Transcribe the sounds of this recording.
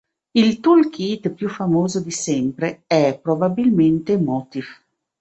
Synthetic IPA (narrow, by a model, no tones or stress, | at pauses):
ilt̪ulkʰit̪pjufamoːzod̪isɛmpɾeɛpɾobabilment̪emɔt̪if